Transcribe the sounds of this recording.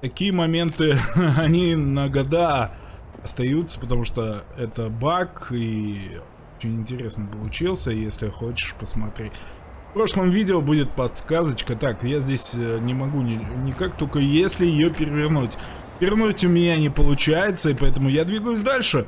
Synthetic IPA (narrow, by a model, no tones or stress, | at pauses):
t̪ɐkʲijəmɐmʲe̞nt̪ɨɐnʲinəɡɐd̪a | ɐst̪ɐjut̪sə̥pət̪ɐmuʂt̪oɛt̪əbaki | ot͡ɕɪnʲɪnʲtʲɪɾʲe̞snəpəlˠʊt͡ɕilˠsʲəjesʲlʲɪxot͡ɕɪ̥ʂpəsmɐt̪ɾʲetʲ | fpɾo̞ʂlˠəmvʲidʲɪəbudʲɪt̪̚pɐt̪skazət͡ɕkət̪akjazʲdʲesʲənʲɪmɐɡunʲɪnʲɪkak̚t̪olʲkəjesʲlʲɪjɪjopʲɪɾʲɪvʲɪrnutʲ | vʲɪrnutʲʊmʲɪnʲanʲɪpəlˠʊt͡ɕæjɪt̪səɪpɐɛt̪̬əmʊjad̪vʲiɡəjʊsʲd̪alʲʂɨ